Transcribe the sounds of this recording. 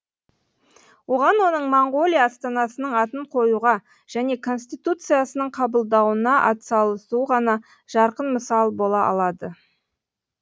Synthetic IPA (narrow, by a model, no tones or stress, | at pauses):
wo̞ʁɑnwo̞nəɴmoɴɡo̞lʲˠijɑst̪ɑnɑsənəɴɑt̪əɴqʰo̞juʁɑ | ʒ̥æne̞kʰo̞nsʲt̪ijt̪ut̪sɨjasənəɴqʰɑbəlˠd̪ɑwənɑʔɑ̰t̪sɑlˠəsuʁɑnɑ | ʒ̥ɑɾqənməsɑlˠbo̞lˠɑʔɑ̰lˠɑd̪ə